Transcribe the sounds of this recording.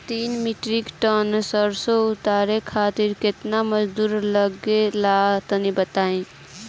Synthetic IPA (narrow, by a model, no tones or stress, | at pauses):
t̪iːnmiʈɾikʈənsəɾsoʊt̪aːɾekʰaːt̪ɪɾkɪt̪naməd͡ʒd̪uːɾləɡelat̪ənibət̪aːẽ